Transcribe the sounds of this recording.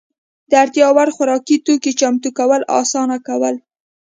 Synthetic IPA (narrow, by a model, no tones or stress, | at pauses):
d̪̥əaɾt̪jɑwaɾxaɾɑkit̪oket͡ʃamt̪ukawəlʔɑ̰sɑnakawəl